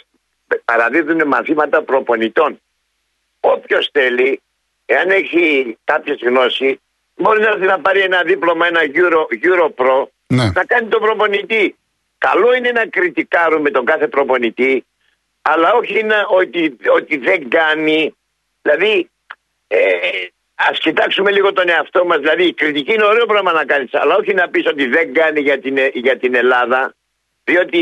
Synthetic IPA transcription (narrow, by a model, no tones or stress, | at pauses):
pɐɾɐðiðunemɐ̰nθimɐt̪ɐpɾo̞po̞nit̪o̞n | o̞pço̞sθe̞li | e̞ɐne̞çikɐpçe̞zɣno̞si | bo̞ɾinɐɐɾθinɐpɐɾie̞nɐðiplo̞mɐe̞nɐʝuɾoʝuɾo̞pɾo̞ | nenɐkɐnit̪o̞pɾopo̞nit̪i | kɐ̰lo̞ine̞nɐkɾit̪ikɐɾume̞t̪o̞ŋɡɐθe̞pɾo̞po̞nit̪i | ɐlːɐo̞çinɐʔot̪iot̪iðe̞ŋɡɐni | ðilɐði | e | ɐscit̪ɐksume̞liɣo̞t̪o̞ne̞ɐft̪o̞mɐzðilɐðiːkɾit̪iciineoɾe̞o̞pɾɐmɐnɐkɐnisɐ̰lɐo̞çinɐpiso̞t̪iðe̞ŋɡɐniʝɐt̪inʝɐt̪ine̞lɐðɐ | ðio̞t̪i